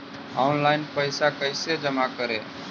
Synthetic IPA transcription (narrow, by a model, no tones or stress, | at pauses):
ɔ̰ʊnlaɪnpəɪsakəɪsed͡ʒəmakəɾe